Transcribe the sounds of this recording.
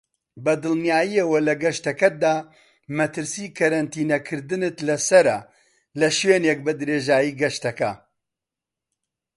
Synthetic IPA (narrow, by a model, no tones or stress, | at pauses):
bɐd̪ɨlˠnijaːjiɐwɐlɐɡɐʃt̪ɐkɐd̪aː | mɐt̪ɨɾsiːkʰɐɾɐnt̪iːnɐkʰɨɾd̪ɨnɨt̪lɐsɐɾɐ | lɐʃweːneːk̚bɐd̪ɨɾeːʒaːjiːɡɐʃt̪ɐkɐ